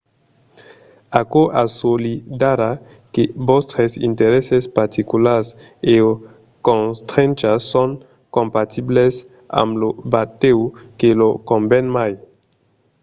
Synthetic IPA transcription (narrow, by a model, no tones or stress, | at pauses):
akoʔa̰solidaɾa | kebostɾesḭnteɾesespaɾtʰikulaseo | konstɾent͡ʃason | kompatʰibles | a̰mlobateukelokombenmaj